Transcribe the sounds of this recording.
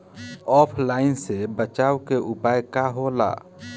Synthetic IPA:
ɔːpʰlaːɪnsebət͡ʃaːwkeʔʊpajkaɦola̰ː

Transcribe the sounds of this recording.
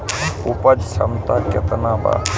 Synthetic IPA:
upɐd͡ʒsɐmt̪akɐt̪ɐnaːba̰

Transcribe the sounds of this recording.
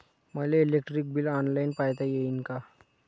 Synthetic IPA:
məleilekʈɾik̚bilɔnlajinpajt̪ajeinka

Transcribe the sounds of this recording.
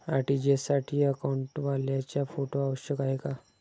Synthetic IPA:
aʈid͡ʑesaʈʰiːəkauɳʈʋaljat͡ɕjafoʈoaʋəɕjəkaɦeka

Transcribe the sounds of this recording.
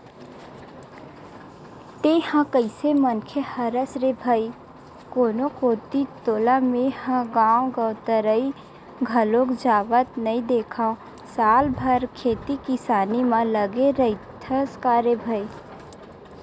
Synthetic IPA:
t̪ehãkəɪsemənkʰehəɾəsɾebʱəi | koːnokot̪it̪oːlamehãɡãːõɡəʊt̪əɾəi | ɡʱəlõkd͡ʒaːʋət̪nəĩd̪eːkʰaõ | saːlbʱəɾkʰeːt̪ikɪsaːnimãləɡeɾəit̪ʰə̃skaːɾebʱəi

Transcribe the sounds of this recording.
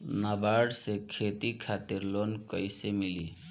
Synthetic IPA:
nabaɽsekʰet̪ikʰat̪iɾlonkəjsemili

